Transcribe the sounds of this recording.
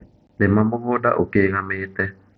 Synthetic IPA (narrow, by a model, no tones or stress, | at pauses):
nemamoɣoda̰ʔokeŋameːt̪ɛ